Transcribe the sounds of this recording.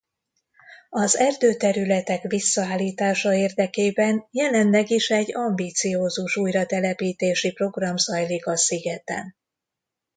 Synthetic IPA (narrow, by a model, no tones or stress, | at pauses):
ɒzɛrd̪øːt̪ɛɾylɛt̪ɛkʋisːɒaːlːiːt̪aːʃɒeːrd̪ɛkeːbɛnjɛlɛnlɛɡiʃɛɟːɒmbiːt̪sijoːzuʃuːjrɒt̪ɛlɛpiːt̪eːʃipro̞ɡrɒmzɒjlikɒsiɡɛt̪ɛ̰n